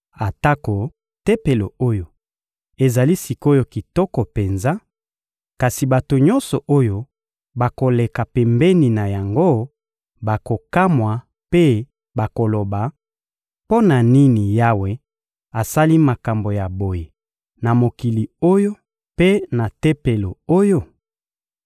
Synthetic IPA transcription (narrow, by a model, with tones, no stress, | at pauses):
a˨ta˦ko˨ | tɛ˦pe˨lo˨o˦jo˨ | e˨za˨li˦si˨ko˦jo˦ki˨tɔ˦kɔ˨pe˨nza˦ | ka˨si˨ba˨to˨ɲɔ̃˦nsɔ˨ʔo˦jo˦ | ba˨ko˨le˨ka˨pɛ˨mbɛ˦ni˨na˨ja˨ŋɡo˦ | ba˨ko˨ka˦mwa˨ | pe˦ | ba˨ko˨lo˨ba˨ | po˦na˨ni˦ni˨ja˦we˨˦ | a˨sa˦li˦ma˨ka˨mbo˨ja˨bo˨je˨ | na˨mo˨ki˨li˨o˦jo˦ | pe˦na˨te˦pe˨lo˨o˦jo˦